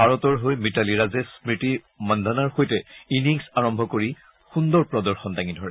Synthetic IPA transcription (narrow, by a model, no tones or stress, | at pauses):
bʱaɹɔtɔɹɦojmitaliɹazɛspɹiti | mandʱanaɹxojtɛiniŋsaɹɔmbʱɔkoɹi | xundɔɹpɹɔdɔɹxɔntaŋidʱɔɹɛ